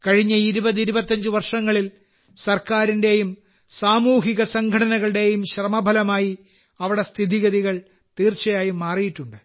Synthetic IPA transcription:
kɐɻiɲːɐiɾubɐðiɾubɐt̪ːɐɲd͡ʑɨʋɐrʂɐŋːɐɭil | sɐrkaːɾinde̞jum | saːmuːɦiɣɐsɐŋɡʱɐɽɐnɐɣɐɭɨɽe̞jumɕrɐmɐbʱɐlɐmaːji | ɐʋiɽe̞st̪ʰiðiɣɐðiɣɐɭ | t̪iːrt͡ɕɐjaːjimːaːrijiʈːuɳɖɨ

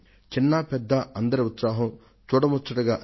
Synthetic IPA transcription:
t͡ʃinːɐpɛd̪ːɐɐnd̪ɐɾɐut̪saːɦɐm | t͡ʃuːɽɐmutt͡ʃːɐʈɐɡaːʔ

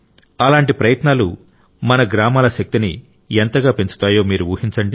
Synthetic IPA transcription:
ɐlaːɳʈipɾɐjɐt̪naːlu | mɐnɐɡɾaːmaːlɐʃɐk̚t̪ini | ent̪ɐɡaːpe̞ɲt͡ʃu̥t̪aːjo̞ːmiːɾuuːhiɲt͡ʃɐɳɖi

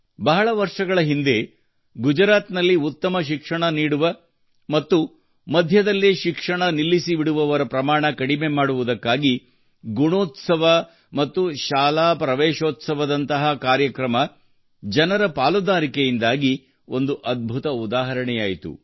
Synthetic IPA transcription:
bɐɦɐɭɐʋɐɾʂɐɡɐɭɐɦind̪e̞ | ɡud͡ʒɾaːt̪nɐlːiut̪ːɐmɐʃ̬ikʂɐɳɐniːɽuʋɐ | mɐt̪ːu | mɐd̪ʱjɐd̪ɐlːiʃikʂɐɳɐnilːisiʋiɽuʋɐʋɐɾɐpɾɐmaːɳɐkɐɽime̞maːɽuʋud̪ɐkːaːɡi | ɡuɳoːt̪sɐʋɐ | mɐt̪ːuʃaːlaːpɾɐʋɛːʃoːt̪sɐʋɐd̪ɐnt̪ɐɦɐkaːɾjɐkɾɐmɐ | d͡ʒɐnɐɾɐpaːlud̪aːɾikejind̪aːɡi | o̞nd̪uʔɐd̪̚bʱut̪ɐud̪aːɦɐɾɐɳɛjaːjit̪ṵ

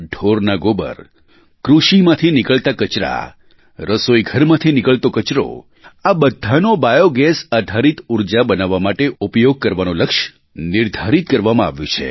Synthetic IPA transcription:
ɖʱoɾnaɡobə̰ɾ | kɾuʃimãt̪ʰinɪkəɭt̪akət͡ʃɾa̰ | ɾəsojɡʱəɾmãt̪ʰinɪkəɭt̪okət͡ʃɾo̰ | abəd̪ʱanobajoɡɛsad̪ʱaɾit̪uɾd͡ʒabənaʋːamaʈeupjoɡ̚kəɾʋanoləkʃ | nɪɾd̪ʱaɾit̪̚kəɾʋamãaʋjṵ̃t͡ʃʰḛ

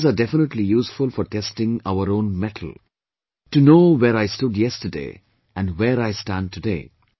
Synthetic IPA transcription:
zadɛfɪnəʈlijuːsfʊlfɔɾʈʰɛstɪ̃ŋa̰ʊəɾõːnmɛʈʰəl̩ˠ | ʈunoːweɾaɪstʊdjɛstədḛ | ʔæ̃nweɾaɪstæ̃n̚tʰudḛː

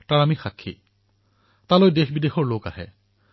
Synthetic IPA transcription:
taɹamixakʰːḭ | talojdexbidexɔɹloka̰hɛ̰

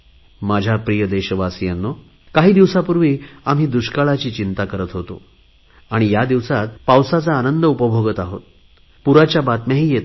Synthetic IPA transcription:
mad͡ʑʱjapɾijəd̪eɕəʋasijanːo | kaɦiːd̪iʋsapuɾʋiːamɦiːd̪uɕkaɭat͡ɕiːt͡ɕint̪akəɾət̪ɦot̪o̰ | aɽ̃ijad̪iʋsat̪̚pawsat͡saːnənd̪əupəbʱoɡət̪aɦot̪̚ | puɾat͡ɕjabat̪mjaɦiːjet̪

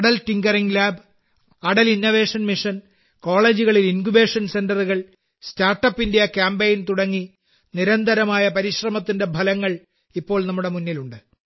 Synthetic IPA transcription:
ɐɽɐltiŋɡɐriŋlaːb | ɐɽɐlinːoʋe̞ːʂɐnmiʂɐn | ko̞ːɭe̞ːd͡ʑuɣɐɭilinkube̞ːʂɐnse̞ndɐruɣɐɭ | staːrʈːɐpːindejɐkjaːmbeːjnt̪uɽɐŋːi | niɾɐnd̪ʱɐɾɐmaːjɐpɐɾiɕrɐmɐt̪ːinde̞bʱɐlɐŋːɐɭ | ipːo̞ːɭnɐmːuɽe̞munːiluɳɖɨ

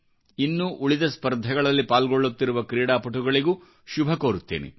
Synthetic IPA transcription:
inːuʔuɭid̪ɐspɐɾd̪ʱɐɡɐɭɐlːipaːlɡoɭːut̪ːiɾuʋɐkɾiːɽaːpɐʈuɡɐɭiɡuː | ʃubʱɐkoːɾut̪ːḛːnḛ

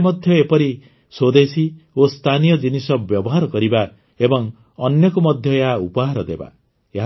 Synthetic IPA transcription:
mɔd̪ʱjɔepɔɾi | sod̪esiost̪ʰanijɔd͡ʒinisɔbjɔbɔɦaɾɔkɔɾiba | ebɔŋ | ɔnjɔkumɔd̪ʱjɔeɦaupɔɦaɾɔd̪eba̰ | eɦa

